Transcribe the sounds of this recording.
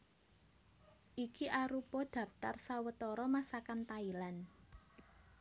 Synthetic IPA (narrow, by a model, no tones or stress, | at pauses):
ʔikiʔaɾupɔd̪̥ä̤p̚t̪arsawət̪ɔɾɔmasakant̪ailan